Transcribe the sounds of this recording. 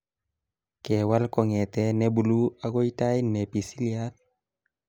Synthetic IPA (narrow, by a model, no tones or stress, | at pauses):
kɛwalkɔŋɛtɛnɛbuluaɡojtajnepisilial̚